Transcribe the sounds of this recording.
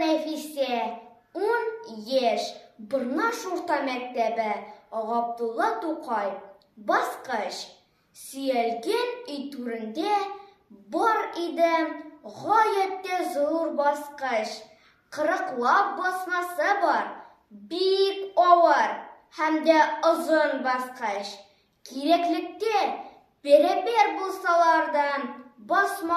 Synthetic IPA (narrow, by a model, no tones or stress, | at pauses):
næfisæ | unjæʃbɤ̆ɾnɑʃuɾt̪ɑmæk̚t̪æbɘʁɒb̚d̪ulˠːɑt̪uqʰɑj | bɒsqɤɕ | sɵ̆jælɡænɵjt̪ʉɾɘ̆nd̪æ | bɒɾid̪ɘʁɒjæt̪ːæzuɾbɒsqɤɕ | qɤ̆ɾɤ̆qlˠɑp̚bɒsmɑsɤbɾ | bikɒwɑɾ | hæmd̪æŏzonbɒsqɑɕ | kiɾæklɘ̆k̚t̪æ | b̥æɾæbæɾbulˠsɑlˠɑɾd̪ɑnbɒsmɑ